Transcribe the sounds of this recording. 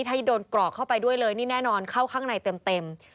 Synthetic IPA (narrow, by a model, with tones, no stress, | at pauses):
i˥˩t̪ʰa˥˩˦doː˧nklɔ˨˩kʰːa˥˩wpa˧jdu˥˩əjlɤː˧jniː˥˩nɛː˥˩nɔː˧nkʰa˥˩wkʰaː˥˩ŋna˧jt̪e˧mt̪e˧m